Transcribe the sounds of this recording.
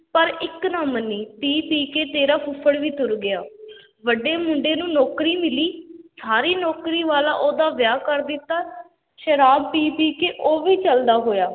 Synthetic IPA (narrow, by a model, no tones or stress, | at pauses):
pəɾɪknaːmənːiːpiːpiːkeːt̪eːɾaːpʰʊpʰəɽʋiːt̪ʊɾɡɪjaː | ʋəɖeːmʊɳɖeːnũːnɔːkɾiːmɪliːsaːɾiːnɔːkɾiːʋaːla̰ːʔoːd̪aːʋɪjaːkəɾd̪ɪt̪ːaː | ʃəɾaːb̚piːpiːkeːʔoːʋiːt͡ʃəld̪aːɦoːjaː